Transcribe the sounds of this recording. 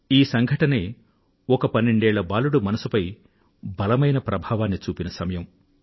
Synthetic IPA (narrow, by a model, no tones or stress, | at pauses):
iːsɐŋɡʱɐʈɐneː | ɔkɐpɐnːeɳɖeːɭːɐbaːluɽumɐnɐsupɐj | bɐlɐmɐjnɐpɾɐbʱaːʋaːnːit͡ʃuːpinɐsɐmɐjɐm